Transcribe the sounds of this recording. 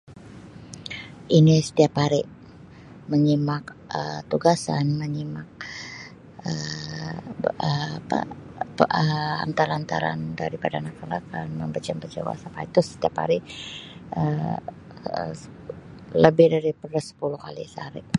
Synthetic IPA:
ʔinisə̥t̪iapaɾɪʔ | məɲimakət̪uɡasanməɲimak̚ | ə | ə̰ | əa̰nt̪alant̪a̰ɾa̰ndaɾipadanakalakanməmbət͡ʃambət͡ʃə̰wa̰sapait̪ɾʊsə̥t̪iapa̰ɾi | ə | ləbɪhdaɾipərəsə̥pulukalḭsa̰ɾɪʔ

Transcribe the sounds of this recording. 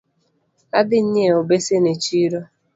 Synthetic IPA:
adɪn̩ɲeobesenet͡ʃiɾo

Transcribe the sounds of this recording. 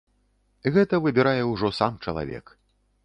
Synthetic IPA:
ɣɛt̪ɐvɨbʲiɾajɛuwʐɔsamt͡ʂɐ̰lˠa̰vʲɛ̰k

